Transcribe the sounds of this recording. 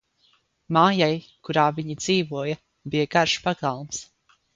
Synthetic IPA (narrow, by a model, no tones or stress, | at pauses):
maːjaj | kuɾaːviɲid̪z̥iːvuɔja | bijaɡaɾʃpaɡalˠms